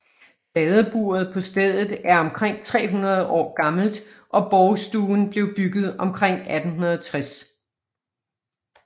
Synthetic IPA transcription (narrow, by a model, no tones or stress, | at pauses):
b̥ɛðˠəb̥ṵːɐð̞̩ˠpʰɒ̽sd̥eð̞̰ˠð̩ˠæɐɒ̽mkʰʁeŋ̰t͡sʰʁɛ̰ːɦunɐð̞ˠʔɒ̰ːɡ̥ɑ̈ml̩d̥ | ʔɒ̽b̥ɒʊsd̥uːn̩b̥le̝ʊb̥yɡ̥ð̞̩ˠɒ̽mkʰʁeŋ̰æd̥n̩ɦunɐðˠt͡sʰʁas